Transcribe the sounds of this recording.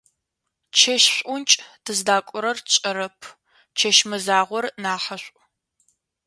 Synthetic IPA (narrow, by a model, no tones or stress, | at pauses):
t͡ʃʰɐʃɕʷʼʊnt͡ʃʼdʰɨzdaːkʷʼʊɾɐrt͡ʃʼɐɾɐpʰ | t͡ʃʰɐʃmɨzaːʁʷɔrnaːħɐɕʷʼ